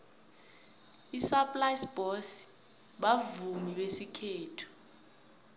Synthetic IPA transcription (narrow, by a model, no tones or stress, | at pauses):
isapʼlajsb̥ɔsi̥ | ɓavumiɓesikʰeːtʰu̥